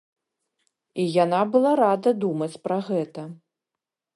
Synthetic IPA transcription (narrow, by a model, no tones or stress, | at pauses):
ijanabɨlˠaɾad̪ɐd̪umɐt͡sʲpɾɐɣɛt̪ɐ